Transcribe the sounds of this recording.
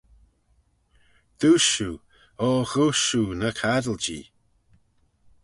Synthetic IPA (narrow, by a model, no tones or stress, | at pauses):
d̪̥uʃu | ɔːɣuʃunəkʰadəld͡ʒḭː